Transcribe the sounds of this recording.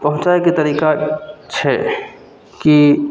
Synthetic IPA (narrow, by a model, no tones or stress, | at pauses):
pɐɦʊ̃t͡ʃaːekit̪ɐɾiːkat͡ʃʰɛ̰ | ki